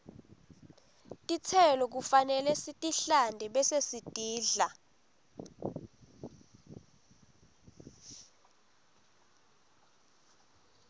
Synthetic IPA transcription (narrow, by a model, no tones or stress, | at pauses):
tʼit͡sʰɛlɔk̬ufanɛlɛsitʼiɬandʱɛɓɛsesitʼiːɮa